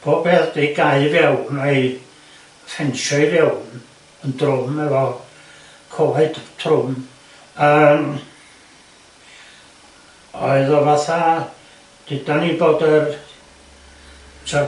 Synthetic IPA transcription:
b̥ʰoːbeθd̥eɡaɨvɛwnaɨ | fɛnʃɔɨrjɛwn | əndrʊmɛvɔ | kʰoheɨdtʰrʊm | əːm | ɔ̰ɨðɔvaθa | d̥ɪd̥aniboːdər | sɛ

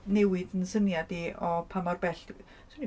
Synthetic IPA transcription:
newɪd̥ənsənjadiɔpʰamɔrbɛɬ | sn

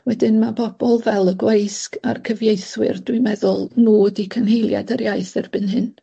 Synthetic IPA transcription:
wɛdɪnmabɔb̥ɔlˠvɛlˠəɡwejska̰rkʰəvjejθwɪ̰rdwɪmɛðʊlˠnuːədikʰənɦejlˠja̰dəɾjaɨθɛrbɨnhɨn

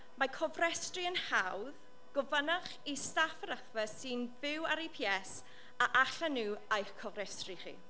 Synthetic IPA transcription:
makʰɔvrɛstriənhawð | ɡ̥ɔvənaχistafəɾaθvəsɨnvɪwaɾipʰiɛs | aʔaɬanuːajkʰɔvrɛstriχḭ

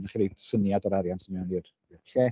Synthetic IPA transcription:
naχiɾesənjadɔɾaɾjansəmɛwniːr | ɬɛ

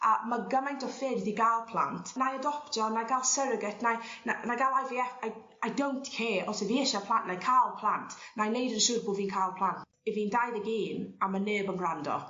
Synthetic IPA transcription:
amaɡəmajntʰɔfeːddiɡalˠpʰl̥ˠa̰ntʰnajədɔptɔnaɡalˠsɛɾəɡɛtʰnananajɡalˠajviɛfaj | ajdowntkʰɛːɔsɪviːɪʃapʰl̥ˠanʔnajkʰalˠpʰl̥ˠantʰnajnejdənəʃʊrbʊviːnkʰalˠpʰl̥ˠant | ɛviːndajðəɡeːnamaneːbənrandɔ̰

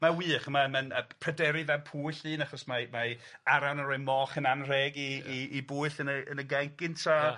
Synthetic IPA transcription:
mawiːχmamənəpʰrɛdɛɾivɛpʰuːɬɨːnaχɔsmamaaɾanəɾɔɨmɔːχənanr̥ɛɡiiːbʊːɨɬənəənəɡɛŋkɪntʰa

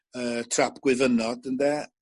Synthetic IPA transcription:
əːtʰrapʰɡ̥wɪvənɔdəndɛ

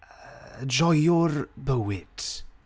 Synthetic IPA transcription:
əd͡ʒɔjʊrbəwɪt

